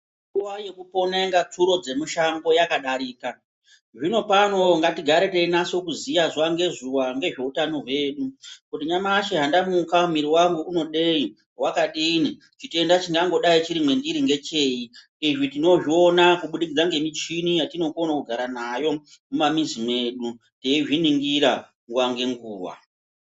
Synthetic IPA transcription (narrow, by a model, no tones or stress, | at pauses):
uwajekupo̞neŋɡat͡suɾo̞d͡ze̞muʃaŋɡo̞jakaɗaɾiːka | ʐino̞pano̞ŋɡatiɡʱaɾeteinaso̞kuzijazuwaŋɡe̞zuwaŋɡe̞ʐe̞utano̞ɦwe̞ɗukutiɲamaʃeɦandamukaumiɾiwaŋɡuʔuno̞ɗei | wakaɗini | t͡ʃite̞ndat͡ʃiŋɡaŋɡo̞ɗait͡ʃiɾimwe̞ndiɾiŋɡe̞t͡ʃei | iʐitino̞ʐio̞nakuɓuɗikid͡zaŋɡe̞mit͡ʃinijatino̞konakuɡʱaɾanajo̞mumamizime̞ɗu | teiʐiniŋɡiɾa | ŋɡuwaŋɡe̞ŋɡuːwa̰